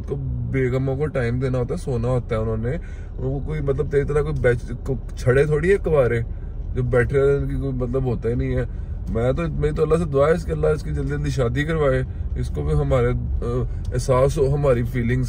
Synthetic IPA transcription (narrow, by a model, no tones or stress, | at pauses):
t̪kobeːɡəmõkoʈaːɪmd̪eːnaɦoːt̪aɦɛsoːnaɦoːt̪aɦɛʊnõːne | ʊõkokoːimɐt̪ləb̚t̪eːɾit̪əɾakoːibɛːt͡ʃ | t͡ʃʰəɽet̪ʰoːɽiɦɛːkɐʋaːɾeː | d͡ʒoːbɛːʈʰɾeonkikoːimət̪ləbɦoːt̪ainɐ̃ɦĩɦɛː | mɛ̃ːt̪omɛ̃ːĩt̪̬oəlːased̪ʊaːeɪskeəlːaɪskid͡ʒəld̪iəld̪iʃaːd̪ikəɾʋaːeːɪskopɦɐmaːɾe | ɪsaːsɦoɦɐmaːɾipʰiːlɪ̃ŋɡs